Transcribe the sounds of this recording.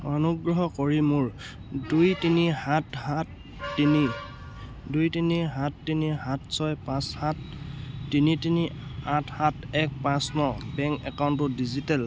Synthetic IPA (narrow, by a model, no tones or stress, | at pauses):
ɔnuɡɹɔɦɔkoɹimuɹ | dujtinihathatː | ini | dujtiniɦatːiniɦatʰsɔjpãshatː | initinihathat | ɛk̚pãsnɔbɛŋkɛ̰kawntʊdizitɛl